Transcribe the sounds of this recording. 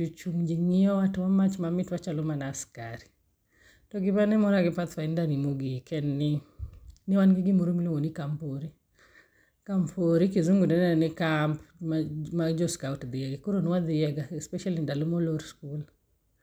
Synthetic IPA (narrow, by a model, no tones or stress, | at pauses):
ut͡ʃuŋd͡ʒeŋiɔwatwamat͡ʃmamɪtwat͡ʃalomanaːskaɾi | tɔɡɪbanɛmɔɾaɡɪpat̪faindanimuɡikʰɛnːɪ | nɪwanɡɪɡɪmoɾomloŋonikampoɾi | kampʰoɾikizuŋɡudɛnɛɛnɪkampmamad͡ʒɔskawtd̪ɪjɛɡikoɾonwad̪ɪjɛɡaɛspɛʃalindalomɔloɾskul